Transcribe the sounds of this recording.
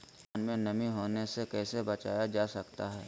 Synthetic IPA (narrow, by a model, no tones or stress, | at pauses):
aːnmẽnɐmiɦoːnesekɛːsebɐt͡ʃa̰ːjad͡ʒaːsɐkt̪aɦɛː